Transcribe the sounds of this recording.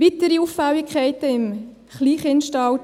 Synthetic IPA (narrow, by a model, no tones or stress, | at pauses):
it̪əɾiufːæwikʰχɛɪtəɪm | χliːχɪnʃtɑwt